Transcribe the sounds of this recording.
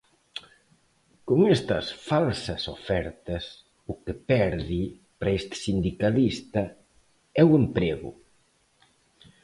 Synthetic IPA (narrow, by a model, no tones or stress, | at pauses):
koŋest̪ɐsfalsɐsofɛɾt̪ɐs | ukepɛɾði | pɾaest̪sind̪ikalist̪ɐ | ɛwempɾeɣʊ̰